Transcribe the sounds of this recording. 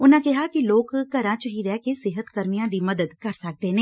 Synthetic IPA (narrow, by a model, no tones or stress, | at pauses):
ʊnãkɪɦakiloːkːɐɾãt͡ʃəɦiɾɛːkesɪɦət̪kɐɾmijãd̪imɐd̪əd̪kɐɾsɐk̚d̪enẽː